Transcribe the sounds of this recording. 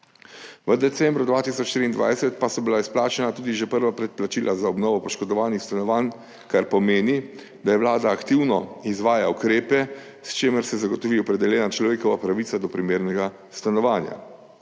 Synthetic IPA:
ʋəd̪ɛt̪sɛmbɾʊd̪ʋaːt̪isɔt͡ʃt̪ɾiːnd̪ʋa̰jsɛt̪pasɔbilaisplaːt͡ʃɛnat̪uːd̪iʒɛpəɾʋapɾɛt̪̚plat͡ʃiːlʔazaɔbnɔːʋɔpɔʃkɔd̪ɔʋaːnixst̪anɔʋaːn | kaɾpɔmeːni | d̪̥ajɛʋlaːd̪aːkt̪iwnɔizʋaːjaukɾeːpɛ | st͡ʃeːməɾsɛzaɡɔt̪ɔʋiɔpɾɛd̪ɛljɛːnat͡ʃlɔʋeːkɔʋapɾaʋit̪ad̪ɔpɾimeːɾnɛɡa | st̪anɔʋaːnja̰

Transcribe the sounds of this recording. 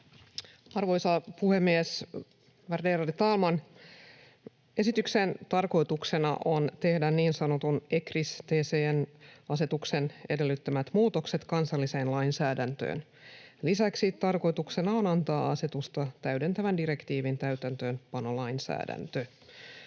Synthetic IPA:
ɑrʋo̞jsɑpuhe̞mːies | ʋɑrdeɾɑdit̪ɑlmɑn | e̞sit̪yksent̪ɑrko̞jt̪ukse̞nɑ̰ʔont̪e̞hdænniːnsɑnot̪une̞krist̪eːseːnɑse̞t̪ukse̞ne̞de̞lːyt̪ːømæt̪muːt̪okse̞t̪kɑnsɑlːise̞ːnlɑjnsæːdænt̪ø̰ːn | lisæksit̪ɑrko̞jt̪ukse̞nɑonɑnt̪ɑːɑse̞t̪ust̪ɑt̪æyde̞nt̪æʋændiɾe̞kt̪iːʋint̪æyt̪ænt̪ø̞ːnpɑnolɑinsæ̰ːdæ̰nt̪ø

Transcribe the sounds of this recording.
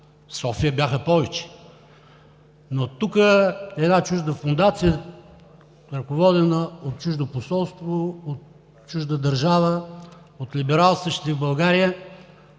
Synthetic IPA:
sɔfijəbʲjaxəpɔvɛt͡ʃɛ̥ | not̪ukəɛd̪nat͡ʃuʒd̪əfond̪at̪sijə | ɾəkovɔd̪ɛnəot̪̚t͡ʃuʒd̪oposɔlˠst̪voot̪ | t͡ʃuʒd̪əd̪ɐɾʒavə | ot̪libɛɾalˠsəʃt̪t̪ivbɐlˠɡaɾijə

